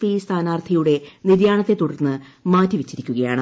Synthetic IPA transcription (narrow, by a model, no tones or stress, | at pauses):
fist̪ʰaːnaːrt̪ʰɐjuɽe̞niɾjaːɳɐt̪ːet̪uɽɐrnːɨmaːtːiʋɐt͡ɕːiɾikʲːuɣɐjaːɳɨ